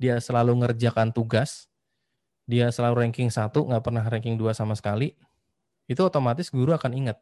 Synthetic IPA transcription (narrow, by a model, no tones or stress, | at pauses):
diasəlaluŋərd͡ʒakant̪uɡas | diasəlaluɾɛŋkɪŋsat̪uŋɡaʔpərnahrɛŋkɪŋduasamasə̥kali | it̪uot̪omat̪ɪsɡuɾuakaniŋət̪̚